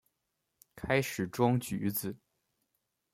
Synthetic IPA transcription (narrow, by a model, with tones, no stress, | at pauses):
kʰa˥ɪʂɻ̩˨˩ʈ͡ʂʊ˥ŋt͡ɕy̰˧˥d͡zɹ̩˨˩